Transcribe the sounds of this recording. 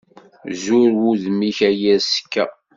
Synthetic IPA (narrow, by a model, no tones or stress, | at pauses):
zuɾwuðmiçæjæsə̥kːæ̰